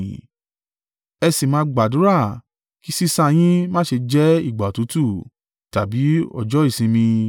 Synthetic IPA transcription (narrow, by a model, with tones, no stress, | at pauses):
ɛ˧si˨mãː˧ɡ͡ba˨dũ˨˦ɾa˦˨ | ki˨˦si˦sa˧j̃ĩ˦mãː˦ʃe˧d͡ʒɛ˦i˦˨ɡ͡ba˨tu˨˦tu˦˨ | ta˨bi˨˦ɔ̰˦˨d͡ʒɔ˨˦i˦˨sĩ˧mĩ˧